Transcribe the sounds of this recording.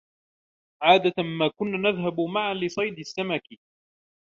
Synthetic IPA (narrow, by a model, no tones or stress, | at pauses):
ʕaːd̪amaːkʊnːaːnaðɦabʊmaʕalɪsˤɑjd̪ɪsːamakɪ